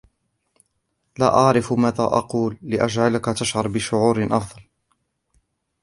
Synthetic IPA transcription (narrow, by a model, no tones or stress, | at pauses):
la̰ːʔɑʕɾɪfmæːða̰ʔɑ̰quːlːɪʔad͡ʒʕalakat̪aʃʕɑɾˤbɪʃʊʕuːɾʔɑfd̪ˤɑl